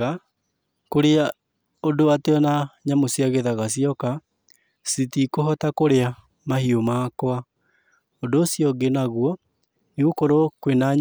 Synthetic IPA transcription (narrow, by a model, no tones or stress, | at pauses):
a | koɾea | odoateɔnaɲamosiaɣeðaɣasiɔka | sitikoɦɔtakoɾea | mahiomaːkwa | odoːsiɔɡenaɣwɔ | niɣokoɾokwenaɲ